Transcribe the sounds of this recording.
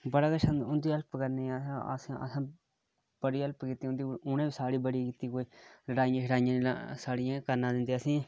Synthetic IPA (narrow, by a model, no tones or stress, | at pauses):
bəɽaːkəʃəʊnd̪iːəlpkəɾneːə̰sãə̰sãː | b̥əɽiːəlpkit̪ːiːʊnd̪iːʊnẽːbiːsaːɽiːbəɽikiːt̪iːkoːiːləɽaːijãːʃəɽaːɪjãːna̰saːɽɪjãːkəɾnãːd̪ɪnd̪eːəsĩː